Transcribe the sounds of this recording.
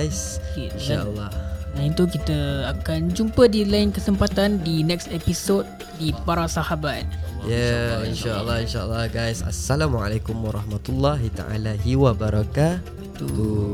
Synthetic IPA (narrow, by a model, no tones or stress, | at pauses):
jsinʃaəlːɑdaint̪ukit̪əakand͡ʒumpədilainkəsəmpat̪andinɛksepisot̪̚ | dipaɾasahabat̪̚jainʃaəlːɑinʃaə̰lːɑhɡajsa̰sːalamwʕa̰lekumwaɾˤɑhmat̪ulːɑɦit̪a̰ʔa̰laɦiwabaɾaka | uu